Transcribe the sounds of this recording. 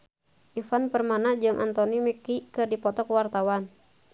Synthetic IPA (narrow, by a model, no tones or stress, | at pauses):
ʔifanpərmanad͡ʒɨŋʔa̰nt̪ɔnimikikɨrdipɔt̪ɔkwart̪awan